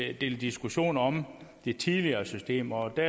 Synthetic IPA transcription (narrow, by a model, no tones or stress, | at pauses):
d̥e̝ld̥isɡ̥uɕo̝̰ːnɒ̽md̥e̝t͡sʰiðˠliɐːsysd̥e̝̰ːmɒ̽d̥æɐ